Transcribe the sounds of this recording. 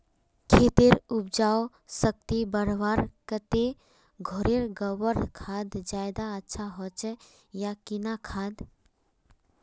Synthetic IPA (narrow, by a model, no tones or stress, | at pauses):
kʰet̪iɾup̚d͡ʒaːo | sək̚t̪ibəɾʋaɾkət̪e | ɡʱɔɾeɾɡəwəɾkʰad̪d͡ʒaːjd̪aətːʃʰaɦɔt͡ʃɛ | jakinakʰaːd̪